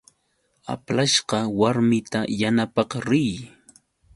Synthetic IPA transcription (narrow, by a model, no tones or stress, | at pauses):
a̰plaʃɢɑwaɾmɪt̪ajanapɑqɾɪj